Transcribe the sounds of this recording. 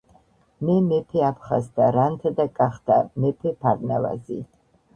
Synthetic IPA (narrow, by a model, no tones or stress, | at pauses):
mɛmɛpʰɛapʰχazd̪aɾant̪ʰad̪akʼaχt̪a̰mɛpʰɛpʰaɾnava̰zi